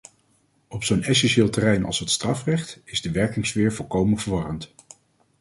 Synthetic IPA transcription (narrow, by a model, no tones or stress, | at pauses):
ɔpsownɛs̬ɛnʃɪːlˠtərɛjnɑ̰lˠsɦətstrɑfrɛχtɪzdəʋɛɹkɪŋsfɪːɹvɔlˠkowmənvəɹʋɑrənt